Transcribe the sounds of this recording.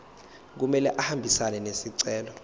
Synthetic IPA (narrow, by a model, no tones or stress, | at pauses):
k̬umɛlɛʔahambʱisanɛnesiǀɛːlɔ